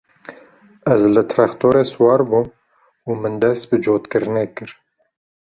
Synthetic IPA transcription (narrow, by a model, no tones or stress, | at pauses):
ɛzlɨt̪ʰɾakt̪ʰoːɾeːswɑːɾbum | umɨnd̪ɛst̪̚bɨd͡ʒoːt̪kɨɾɨneːkɨɾ